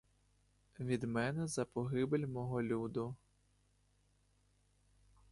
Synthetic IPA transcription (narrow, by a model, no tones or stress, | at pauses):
ʋʲid̪mɛnɛzɐpɔɦɪbelʲmɔɦɔlʲud̪ʊ